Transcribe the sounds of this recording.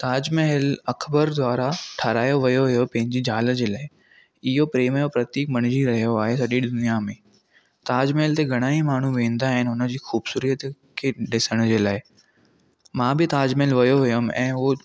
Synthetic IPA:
t̪aːd͡ʑmeɦɪlɐkʰbəɾd̪waːɾaʈʰɐɾaːjoʋɐjoɦʊjopɐ̃ɦɪ̃ɲd͡ʑid͡ʑaːlə̆d͡ʑeːlaːɪ | ɪɦopɾeːmjopɾɐt̪iːk̚mɐɽ̃d͡ʑiɾɐɦijoaːɦesɐɗid̪ʊnijamẽː | t̪aːd͡ʑmelt̪eɡʱɐɽ̃aːimaːɳ̤uʋẽːnd̪aːɦɪnɪʊnə̆d͡ʑiːxuːbsuːɾijət̪ | kʰeɗɪsəɽ̃d͡ʑeːlaːɪ | mãːbɪt̪aːd͡ʑmeːlʋɐjoɦʊjəmɛ̰̃ːo

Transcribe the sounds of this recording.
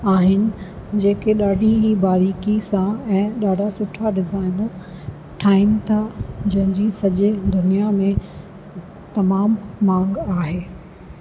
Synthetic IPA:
aːɦɪnɪ̆ | d͡ʑeːkeɗaːɖʱiɦibaːɾiːkisãɛ̃ːɗaːɖʱasʊʈʰaɖɪzaːɪn | ʈʰaːɪmɪt̪ʰad͡ʑɐ̃ɦɪ̃ɲd͡ʑisɐʄɪd̪ʊnijamẽ | t̪ɐmaːmːãːŋɡaːɦeː

